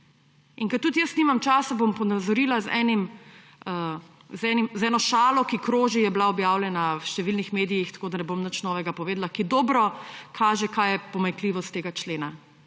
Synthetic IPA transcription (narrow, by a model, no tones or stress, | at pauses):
iŋkɐt̪ut̪jəst̪nimamt͡ʃaːsabompɔnazɔɾiːlazɛ̰ːnim | ə | zɛnimzɛːnɔʃaːlɔkikɾoːʒijɛblaɔbjaːwlʲjɛnawʃt̪ɛʋilnixmeːd̪ijixt̪ḁkoːd̪anɛbomnət͡ʃnɔːʋɛɡapɔʋeːd̪lakid̪ɔːbɾɔkʰaːʒɛkaːjɛpɔmaŋkliʋɔst̪ːeːɡat͡ʃleːna